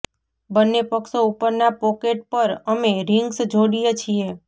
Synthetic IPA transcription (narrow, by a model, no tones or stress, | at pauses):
bənːepəkʃoupəɾnapɔkeʈ̚pəɾəmeɾɪŋɡsd͡ʒʱoɽijet͡ʃʰije